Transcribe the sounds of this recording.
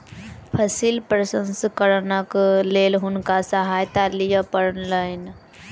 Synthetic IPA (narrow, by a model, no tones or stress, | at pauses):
pʰəsiːlpɾəsə̃nskəɾnəkleːlɦʊnkasəɦaːjt̪alijəpəɾənlaɪn